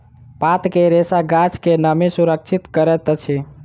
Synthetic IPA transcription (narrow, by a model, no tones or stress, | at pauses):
pat̪keɾesaɡat͡ʃkenəmisuɾək̚t͡ʃʰit̪kəɾɛt̪t͡ʃʰi